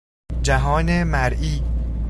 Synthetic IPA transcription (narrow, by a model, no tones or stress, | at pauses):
d͡ʒæɦɒːnemæɾʔiː